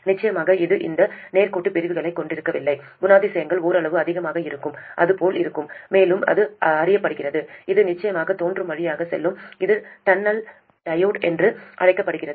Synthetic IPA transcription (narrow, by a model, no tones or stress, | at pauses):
nɪt͡ʃːɐjɐmaːɣɐɪðɯʔɪ̰nd̪ɐneːɾkuːʈːɯpɪɾɪʋɯɣɐɭɐɪkːɔɳɖɪɾɯkːɐʋɪlːɐɪ | ɡʊnaːðɪsɐjɐŋɡɐɭoːɾɐɭɐʋɯɐðɪɣɐmaːɣɐɪɾɯkːɯmʔɐ̰ðɯpoːlɪɾɯkːɯmːeːlɯmɐ̰ðɯɐɐrɪjɐpːɐɽɯɣɪrɐðɯɪðɯnɪt͡ʃːɐjɐmaːɣɐt̪oːndrɯmʋɐɻɪjaːɣɐsɛ̰lːɯmɪðɯt̪ɐnːɐl | ʈɐjoːʈɛndrɯʔɐɽɐɪkːɐpːɐɽɯɣɪrɐð